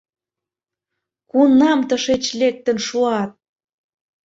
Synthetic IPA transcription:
kunːɑmt̪əʃet͡ɕlek̚t̪ə̆nʃuɑt̪̚

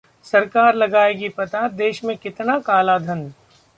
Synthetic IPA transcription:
sɐɾkaːɾlɐɡaːeɡipɐt̪ad̪eːʃmẽkɪt̪nakaːlad̪ʱɐn

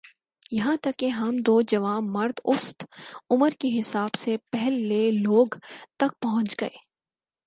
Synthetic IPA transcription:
jɐɦãt̪ɐkːeɦɐmd̪oːd͡ʒɐʋaːɐɾd̪ʊst̪ʊməɾkeɦɪsaːbsepɛɦlːeloːɡt̪ɐk̚pɐɦʊ̃nt͡ʃɡɐeː

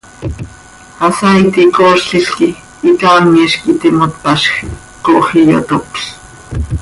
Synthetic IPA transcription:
asait̪ikoːʃɬiɬkiː | k̪aːŋiːʃkit̪imot̪paʃx | koʔxijo̰t̪okɬ

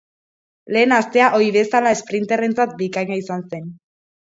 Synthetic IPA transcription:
le̞ːnast̪e̞aʔo̞iβe̞salae̞spɾint̪e̞re̞nt͡sat̪̚bikaɲaisanse̞n

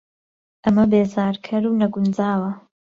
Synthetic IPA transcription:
ʔɐmɐbeːzaːɾkʰɐɾuːnɐɡund͡zaːwɐ

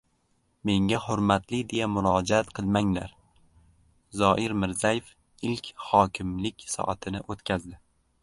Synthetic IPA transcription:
me̞ŋɡʲahʊɾmat̪lɪd̪e̞jamʊɾɒd͡ʒaat̪qʰɨlˠmaŋla̰ɾ | zɒʔɪɾmɪɾzajef | ɪlkʲʰhɒkʲʰɪmlɪkʲsɒ̰ʔat̪ʰɪnɪʔot̪kʲʰazd̪ɪ

